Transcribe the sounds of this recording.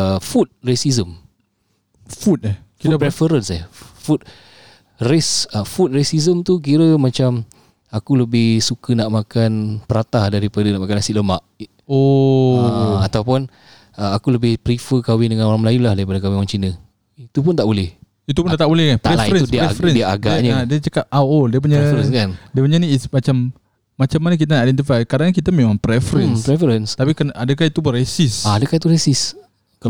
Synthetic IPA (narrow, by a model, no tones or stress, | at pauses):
fut̪̚resizəm | fut̪̚ | kipɾɛfəɾənsɛfut̪̚ | resəfut̪̚resizəmt̪uk̬iɾəmãt͡ʃam | akuləbɪhsukənaʔmakanpəɾat̪ahdaɾipadənaʔmakanasiʔləmaʔ | o | at̪awpʊn | əakuləbɪhpɾifəkawɪdəŋanoɾaŋməlajulahdaɾipadəkawioɾaŋt͡ʃinə | it̪upʊnt̪aʔbolɛh | it̪̬upundat̪aʔbolɛhkanp̪aɾɛlaɾənsdɾɛfəɾəniaɡaɲəadiət͡ʃəkap̚ʔawodiəp̬uɲəəskandiəpuɲəniismat͡ʃamː | at͡ʃamːanək̬it̪̬anaʔidɛnt̪̬ifajkadaŋkit̪əmemãŋpɾɛfɾənpɾɛfəɾənst̪apikanʔadəkahit̪upnresɪsaadəkahit̪uɾesɪs | ka